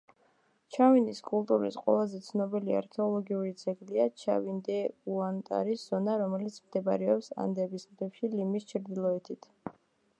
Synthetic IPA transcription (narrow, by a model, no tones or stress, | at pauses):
t͡ʃʰaviniskʼulˠt̪ʼuɾḭsqʼwɛ̰lˠazɛt̪sʰnɔbilia̰ɾkʰɛɔlˠɔɡiuɾid̪z̥ɛɡliat͡ʃʰa̰vind̪ɛuant̪ʼa̰ɾisz̥ɔnaɾɔmɛlit̪sʰmd̪ɛbaɾɛɔpsa̰nd̪ɛbismɾɛfʃilimist͡ʃʰɾd̪ilˠɔɛt̪ʰit̪ʰ